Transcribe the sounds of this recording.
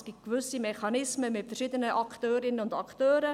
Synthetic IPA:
sɡ̥ittkvʏsimɛχɑnɪsməmɪtfəɾʃiːdənəʔɑktøːɾɪnəʊndɑktøːɾə

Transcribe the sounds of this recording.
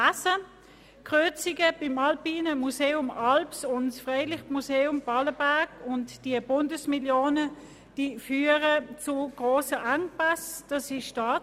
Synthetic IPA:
asə | kʁøɐt͡siɡəb̥ɪmɑlpiːnəmuseːʊmɑlpsʊntsfʁeɪlɪχmuseːʊmb̥ɑləbæɐkʊntd̥iəbʊndəsmiljoːnə | d̥iːfyːəʁət͡sʊɡ̥ʁoːsəʔaŋpasd̥ɑsɪʃʃtɑː

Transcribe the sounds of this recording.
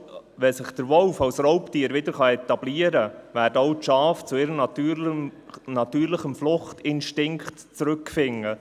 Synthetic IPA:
ʋɛsɪχd̥əɾʋɔlfɑwsrɔʊptiːɾʋɪd̪əɾχɑɛt̪ɑb̥liəɾəʋæːdɔʊtʃɑːft͡sʊɪɾənɑtyː | nɑtyːɾləχəmflʊχtɪnʃtɪŋktt͡sɾɵkfɪŋːə

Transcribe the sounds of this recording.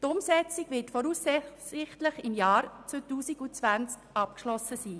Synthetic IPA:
tʊmsɛt͡siɡ̥ʋɪtfɔɾuːssɪχtləχɪmjɑːɾt͡sotuːsiɡut͡sʋænt͡skʔɑp̚kʃlɔsəsiː

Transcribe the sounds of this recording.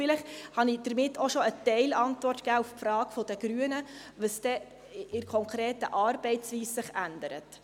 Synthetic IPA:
ɪlɪχhɑniːd̥əɾmɪtʰːɔʃɔətɛɪlɑntvʋɔrtkæːufpfɾɑːɡfɔd̪əɡ̥ɾyənə | ʋəsd̥̪ɛ | ɪɾkʰɔŋkʰɾeːtəʔɑːɾbɛɪtt͡sʋiːssɪχænd̪əɾə̰t

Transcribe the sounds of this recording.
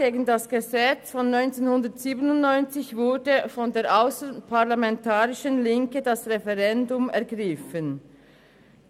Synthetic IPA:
eːɡəndɑsɡ̥əzɛt͡sfɔnːɔʏnt͡seːnhʊndətz̥iːbənʊntnɔʏnt͡sɪçvʊɐdəfɔndeːɾʔaʊsəpʰaʁlamɛntʰaːʁɪʃənlɪŋkədɑsʁɛfɛʁɛndʊmɛɐɡʁɪfən

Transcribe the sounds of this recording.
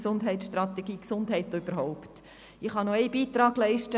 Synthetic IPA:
sʊndɦɛɪt̪t͡ssʃtrɑt̪eɡ̥iːksʊndɦɛɪtyb̥əɾɦɔʊpt | ɪχhɑnoɛɪb̥iːt̪ɾɑːɡ̥lɛɪʃtə

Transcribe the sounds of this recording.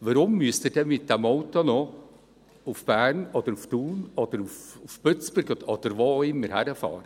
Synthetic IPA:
vəɾʊmːyəstiːdɛmɪt̚d̥̪ɛmɔwtːonɔ | ufb̥æːɾnɔd̪əɾuft̪uːnɔd̥̪əɾufufpøt͡sb̥ʊɾɡɔd̪̥əɾvoɪmːəɾhæɾəfɑ̰ːɾə

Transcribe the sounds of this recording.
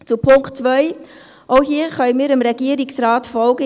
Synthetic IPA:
t͡supʰʊŋkt͡svœʏ | ʔoʊɦiːəɾχœmiːɾɪmɾeɡiːəɾɪksraːtfɔlɡə

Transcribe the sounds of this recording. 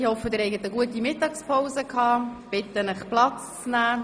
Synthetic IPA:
hɔfəd̪ɪɾɛɪɡətəɡuətimɪtːɑːkspʰaʊsəkʰhɑːb̥ɪtənəχplɑt͡st͡snæː

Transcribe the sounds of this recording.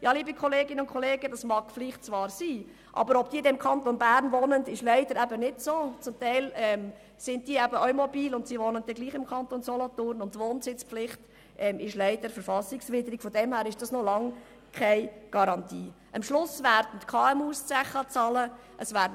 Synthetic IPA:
jɑliːbikʰɔleːɡɪnəʊntkʰɔleːɡədɑsmɑːɡ̥fliχt̚t͡svɑːɾsiː | ʔɑ̰bəɾɔbd̥iːɪdɛɪmkʰɑnt̪onbæːɾnvɔnəndɪʃlæɪdəɾæbənɪdsoːt͡sʊmtæɪlɛm | sɪnt̚d̥iːəæbəœɥmɔbiːlʊntsiːʋonənd̥̪ɛɡ̥liːχɪmkʰɑntonsɔlɔtʊrnʊntːʋoːnsɪt͡sflɪχt | ʔɛmɪʃlæɪd̥əɾfəɾfɑsɪksʋɪdəɾikfɔdɛmhæːɾɪʃd̥ɑsnɔlɑŋ | kʰæɪɡ̥ɑɾɑntiː | ʔɑmʃlʊsʋæːɾd̥ən̩tkʰɑːɛmuːst͡sæχət͡sɑlə | ʔəsʋæːɾ

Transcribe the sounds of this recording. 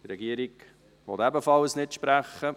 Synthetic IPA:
tɾɛɡiəɾiɡ | ʋɔtæbəfɑlsnɪtʃpɾæχːə

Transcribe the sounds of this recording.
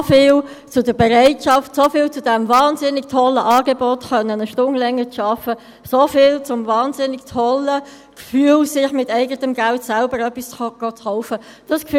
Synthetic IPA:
fɪːl | t͡sʊdəbɛʁaɪtʃɑftsofɪːlt͡sʊd̥ɛmvɑːnzɪnɪktʰɔlːəʔɑːɡebɔtχœnːənəʃtʊŋlɛŋːət͡sʃɑfə | sofɪːlt͡sʊmvɑːnzɪnːɪktʰhɔlə | kfyːəlsɪχmɪtɛɪɡətəmɡæltsɛlbəɾœpːist͡sɡ̥ot͡sχɔʊfəd̥ɑskf

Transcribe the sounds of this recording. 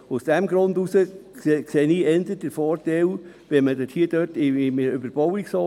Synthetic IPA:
ʊsd̥ɛmɡɾʊndusəkseːniːɛndət̚dəfɔːɾtɛw | ʋɛnmədøthiːədøtɪmʏbəɾb̥ɔwiksɑ

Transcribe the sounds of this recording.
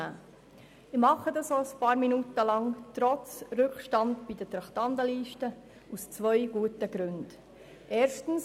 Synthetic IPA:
a̰ː | ɪmɑχədɑsoəspɑːɾminutəlɑŋtɾɔt͡sɾʏkʃtɑndbidətɾɑχtɑndəliːʃtə | ust͡sʋœʏɡ̥uətəɡ̥ɾʉnd̥ | ʔɛːɾʃtn̩s

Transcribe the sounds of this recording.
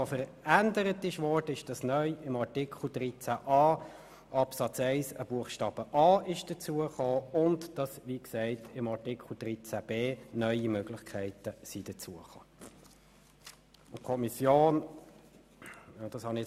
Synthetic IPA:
ofəɾ | ændəɾətɪʃʋɔrd̥əɪʃd̥ɑsnœʏɪmɑɾtikʰl̩d̥ɾit͡sæʔɑː | ʔɑpsɑt͡sɛɪsəb̥uəχʃtɑːb̥əʔɑːɪʃd̥ət͡suəχoːʊntd̥ɑsʋiksɛɪtɪmɑɾtikʰl̩d̥ɾit͡sæb̥eːnœʏimøɡlɪχkʰæɪtəsid̥ət͡suəχo̥ː | ʊkʰɔmisjoːn | d̥ɑshɑnɪ

